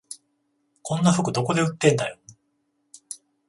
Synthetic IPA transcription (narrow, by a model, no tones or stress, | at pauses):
kʰõ̞nːaɸɯ̟kɯ̟d̪o̞ko̞d̪e̞ɯ̟t̪ːẽ̞nd̪ajo